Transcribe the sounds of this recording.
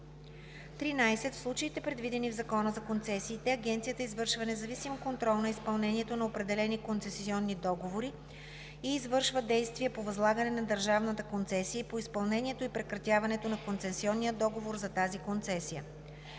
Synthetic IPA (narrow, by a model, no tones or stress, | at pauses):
t̪ɾinajsɛt̪fslˠut͡ʃəit̪ɛpɾɛd̪vid̪ɛnivzɐkɔnəzɐkont̪sɛsiːt̪ɛɐɡɛnt̪siət̪əizvɤɾʃvɐnɛzɐvisimkont̪ɾɔlˠnɐispɐlˠnɛniɛt̪onɐopɾɛd̪ɛlɛnikonsɛsiɔnːid̪ɔɡovoɾi | iːzvɤɾʃvəd̪ɛjst̪viəpovɐzlˠaɡənɛnɐd̪əɾʒavnət̪əkont̪sɛsiəpoispɐlˠnɛnʲiɛt̪oipɾɛkɾɐt̪ʲjavɐnɛt̪onɐkont̪sɛsiɔnːijəd̪ɔɡovoɾzɐt̪azikont̪sɛsijə